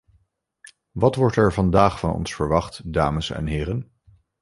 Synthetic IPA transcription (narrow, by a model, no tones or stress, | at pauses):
ʋɑtʋɔɹtɛɹvɑndaːχfɑnɔ̰nsfəɹʋɑχtdaːməsɛ̰nɦɪːɾən